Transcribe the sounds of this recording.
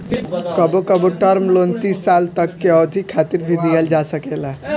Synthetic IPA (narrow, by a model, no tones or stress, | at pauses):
kəbokəboʈəɾmlont̪isːalt̪əkːeɔd̪ʱikʰːat̪iɾbʱid̪iɦəld͡ʒasəkela